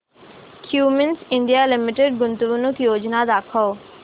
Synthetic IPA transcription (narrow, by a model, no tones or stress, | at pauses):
kʰjuːmənsɪ̃ɳɖijalɪmɪʈeɖ̚ɡʊnt̪uʋʊnũkʰijoːd͡ʑnad̪aːkʰəo